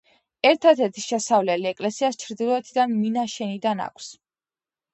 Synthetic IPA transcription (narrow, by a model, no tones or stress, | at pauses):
ɛɾt̪ʰad̪ʰɛt̪ʰi̥ʃɛsavlɛliɛkʼlɛsiast͡ʃʰɾd̪ilˠɔɛt̪ʰid̪anminaʃɛnid̪ana̰kʷʰs